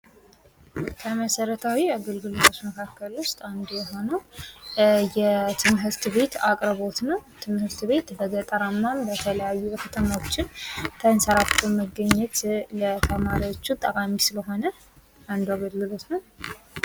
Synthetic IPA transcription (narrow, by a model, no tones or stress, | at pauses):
kʰəməsəɾət̪ʰawiaɡəlɡɨlot̪ʰot͡ʃməkʰakːəlʊst̪ʼand̪jɛɦo̞nəw | jɛt̪ʰɨmɦɨɾt̪βe̞t̪akʼɾβo̞t̪nəwt̪ʰɨmhɨɾt̪βe̞t̪bəɡət̪ʼəɾamːambət̪ʰələjajːujɛkʰət̪ʰəmawot͡ʃːɪnt̪ʰənsəɾat̪ʰːoməɡːəɲːɛt̪lət̪ʰəmaɾiwot͡ʃːut̪ʼəkʼamisɨləɦo̞nə | and̪uaɡəlːɨlo̞t̪nəw